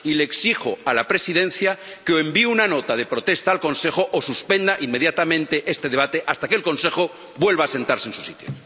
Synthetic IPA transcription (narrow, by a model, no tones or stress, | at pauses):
ileːksixoalapɾe̞siðẽ̞nθjakeoembiunano̞t̪að̞e̞pɾo̞t̪e̞st̪aːlkõ̞nse̞xoʔosuspẽ̞nd̪aʔimːe̞ðjat̪amẽnt̪e̞ʔe̞st̪e̞ðeβat̪e̞ʔast̪akelkõ̞nse̞xo | bwe̞lβaːse̞nt̪aɾsensu̥sit̪jo̰